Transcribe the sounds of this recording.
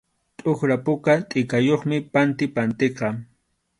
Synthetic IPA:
t̪ʼʊχɾapʊkat̪ʼɪkajoχmɪpant̪ɪpant̪eqɑ

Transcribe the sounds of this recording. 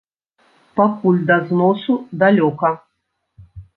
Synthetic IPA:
pakulʲd̪ɐznɔsud̪alʲɔkɐ

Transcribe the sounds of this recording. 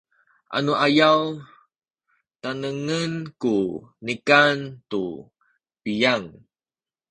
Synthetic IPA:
ʔa̰nuʔajaw | tanəŋənkunikantu | pijaŋ

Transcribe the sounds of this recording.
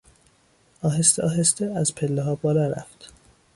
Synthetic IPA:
ɒːɦest̪eʔɒːɦest̪eæzpʰelːeɦɒːbɒːlɒːɾæ̰ft̪

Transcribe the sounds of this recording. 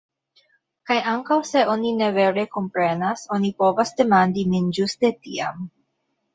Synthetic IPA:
kajaŋkawse̞ʔo̞nine̞ve̞ɾe̞ko̞mpɾe̞naso̞nipo̞vasde̞mandimind͡ʒuste̞tia̰m

